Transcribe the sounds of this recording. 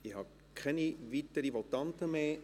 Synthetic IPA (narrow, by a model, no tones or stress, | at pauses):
ihɑ | kʰɛnivitəɾivotɑntəmeː